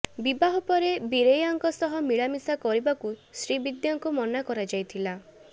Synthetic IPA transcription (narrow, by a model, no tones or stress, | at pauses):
bibaɦɔpɔɾebiɾejaŋkɔsɔɦɔmiɭamisakɔɾibakusɾibid̪jaŋkumɔnakɔɾad͡ʒajt̪ʰila